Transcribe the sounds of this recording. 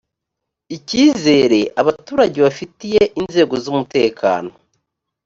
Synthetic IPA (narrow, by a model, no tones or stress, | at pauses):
iciːze̞ːɾe̞ʔaβatuːɾaɟeβafitijeʔinze̞ːɡo̞zumute̞ːkʰa̰ːno̞o